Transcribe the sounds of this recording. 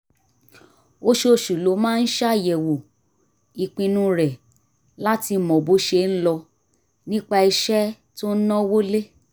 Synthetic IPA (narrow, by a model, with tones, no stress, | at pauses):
o˦ʃo˦˨ʃu˨lo˨˦mãː˦n̩˦ʃa˦˨jɛ˨wo˨ | i˨k͡pĩ˧nũ˦ɾɛ˨ | la˦ti˧˨mɔ̃˨bo˨˦ʃe˧n̩˦lɔ˧ | nĩ˦k͡pa˧i˧ʃɛ˦ | to˦n̩˦nɔ̃˦wo˦le˦